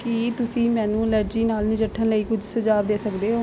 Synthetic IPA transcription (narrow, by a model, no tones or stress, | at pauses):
kɪt̪ʊsĩːmɛ̃ːnũːləɾd͡ʒiːnaːlnɪd͡ʒəʈʰːənləiːkʊd͡ʒʱsəd͡ʒaːbd̪eːsəkd̪eːɦoː